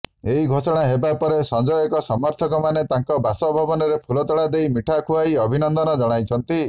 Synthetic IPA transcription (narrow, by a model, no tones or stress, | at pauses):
eɦiɡʱosɔɽ̃aɦebapɔɾesɔnd͡ʒɔjekɔsɔmɔɾt̪ʰɔkɔmanet̪aŋkɔbasɔbʱɔbɔnɔɾepʰulɔt̪ɔɽad̪ejmiʈʰakʰuaiɔbʱinɔnd̪ɔnɔd͡ʒɔɽ̃ajt͡ʃʰɔnt̪i